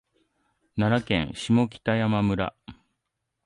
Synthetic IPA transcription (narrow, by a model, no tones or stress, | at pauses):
naɾakẽ̞̰ɰ̃ɕimo̞kʲi̥t̪ajamamɯ̟ɾa̰